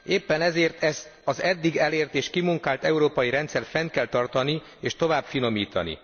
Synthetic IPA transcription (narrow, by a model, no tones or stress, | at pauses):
eːpːɛnɛzeːrt̪ɛst̪ɒzɛd̪ːiɡɛleːrt̪eːʃkimuŋkaːlt̪ɛuɾoːpɒjiɾɛnt̪sɛrfɛnt̪̚kɛlt̪ɒrt̪ɒni | eːʃt̪o̞vaːbfino̞miːt̪ɒ̰nḭ